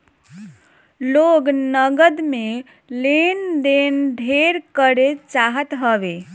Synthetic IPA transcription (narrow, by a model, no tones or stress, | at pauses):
loɡnəɡəd̪me | lend̪enɖʱeɾkəɾet͡ʃaɦət̪ɦəʋe